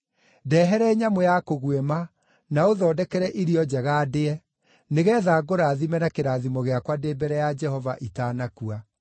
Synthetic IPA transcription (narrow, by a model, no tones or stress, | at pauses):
dɛːɦɛɾɛɲamojakoɣwɛma | naoðɔːdɛkɛɾɛʔiɾiɔd͡ʑɛɣaːdeɛ | neɣɛðaːɡoɾaːðimɛnakeɾaðimɔɣeakwadeːbɛɾɛjad͡ʒɛhɔvaʔitaːnakua